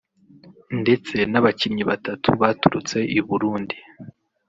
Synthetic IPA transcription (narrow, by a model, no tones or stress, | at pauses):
nde̞t͡se̞naβacimɲiβatatʰuβatuɾut͡se̞ʔiβuɾuːndi